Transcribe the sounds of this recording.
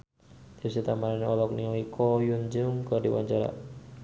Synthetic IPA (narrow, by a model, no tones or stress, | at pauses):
d̪usit̪amaɾanɔlɔknioikʰɔjund͡ʒʊŋkərdiwa̰ɲt͡ʃaɾa̰